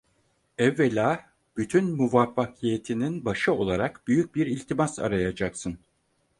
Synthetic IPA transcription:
ɛvːelʲaː | b̥yt̪ʰynmuvafːakʰijet̪ʰininbaʃɯo̞lˠaɾakbyjyc̚biɾilʲt̪ʰimasa̰ɾajad͡ʒaksɯn

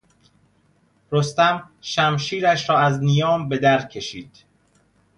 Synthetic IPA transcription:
ɾost̪æm | ʃæmʃiːɾæʃɾɒːæznijɒːmbe̞d̪æɾ̚cʰe̞ʃḭːd̪̥

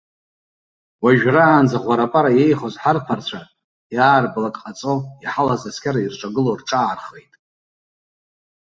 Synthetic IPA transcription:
waʒᶣraːnd͡zaʁʷaɾapʼaɾajejχozħarpʰart͡sʷʰa | jaːrblakʼqʼat͡sʼoiħalazaskʲʰaɾairʈ͡ʂʷʼaɡɨlorʈ͡ʂʼaːrχejtʼ

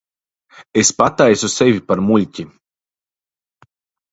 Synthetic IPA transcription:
espat̪ajsusevʲipaɾmulʲcʲi

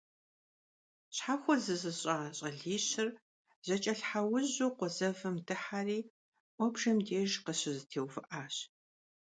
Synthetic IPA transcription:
ɕħaxʷɔzɨzɨɕʼaɕʼɐɮiːɕɪr | z̥ɐt͡ʃʼɐɬħawʊʑuːqʷɔzɐvɨmdɨħariː | ʔʷɔbʒɐmdeːʒqəɕɪzɨtʰeːwvɨʔaːɕ

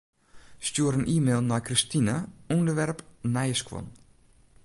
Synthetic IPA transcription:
stuəɾənʔiːmeːlˠnakristinəundəʋɛrpnajəskwɔ̰n

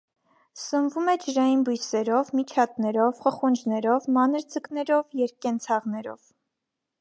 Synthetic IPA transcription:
səmvumɛd͡ʒəʒɑjinbujsɛɾɔvmit͡ʃʰɑt̪̚nɛɾɔvχəχund͡ʒnɛɾɔvmɑnəɾd͡zəknɛɾɔvjɛɾkɛnt͡sʰɑʁnɛɾɔ̰v

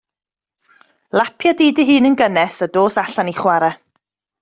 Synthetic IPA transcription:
lˠapʰjadiːdiɦɨːnənɡənɛsədoːsaɬaniχwaɾɛ

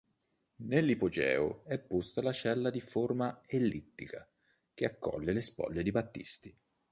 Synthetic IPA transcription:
nelːipod͡ʒɛ̰ːoɛpːust̪alat͡ʃɛlːad̪iformaelːit̪ːika | k̟eakːɔ̰lːelespɔ̰lːed̪ibat̪ːḭst̪i

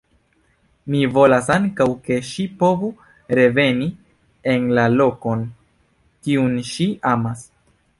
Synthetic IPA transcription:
mivo̞lasaŋkawke̞ʃipo̞vu | ɾe̞ve̞ni | enlalo̞ko̞n | kiunʃiamas

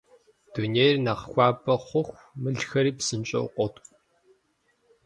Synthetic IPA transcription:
d̥uneːjrnɐqxʷɑːpʼɐχʷʊxʷ | mɨɮxɐɾiːpsɨnt͡ʃʼɐ̰qʷʼɔtʼʷ

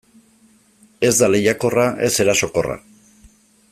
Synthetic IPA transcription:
e̞zd̪ale̞jako̞raʔe̞se̞ɾaso̞ko̞ra̰

